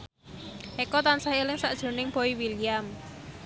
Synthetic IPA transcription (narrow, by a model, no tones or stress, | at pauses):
ʔekɔt̪ansahelɪŋsaʔd̥ʒ̥o̤nɪŋpoiwiliam